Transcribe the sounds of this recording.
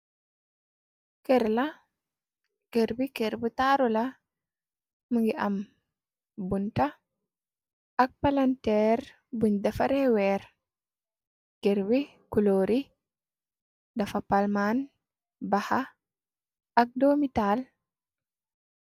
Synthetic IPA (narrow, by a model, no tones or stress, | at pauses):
kɛɾlɐ | keɾbikeɾbutaɾulɐ | məŋɡiʔɐm | bunta | ɐk̚palantɛɾ | buɲdɐfɐɾɛwɛːɾ | keɾwi | kuloːɾi | dɐfɐpalman | baha | ɐk̚doːmital